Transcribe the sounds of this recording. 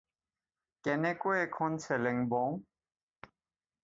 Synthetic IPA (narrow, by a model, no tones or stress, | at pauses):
kɛnekoɛkʰɔnsʰɛleŋbɔ̃